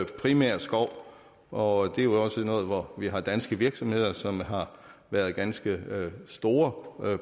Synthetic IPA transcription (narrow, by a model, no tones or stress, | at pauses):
pʰʁimæɐ̰sɡ̥ɒʊ̰ | ʔɒ̽d̥e̝jo̝ɒ̽sənɔ̽ːð̩ˠʋɒʋiɦɑ̈d̥ænsɡ̥əʋiɐɡ̥sɒ̽mhe̝ð̰ˠɐsɒ̽mɦɑ̈ʋæɐð̞̩ˠɡ̥ænsɡ̥əsd̥o̝ːɐ